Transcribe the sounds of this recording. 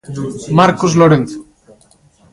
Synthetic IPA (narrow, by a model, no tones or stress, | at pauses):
maɾkozloɾenθo̥